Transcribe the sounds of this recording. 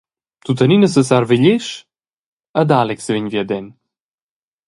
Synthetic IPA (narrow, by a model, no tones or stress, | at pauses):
t̪ut̪əninəsəsaɾvɛʎɛʃ | ad̪alɛksvɛɲvjɛd̪ɛn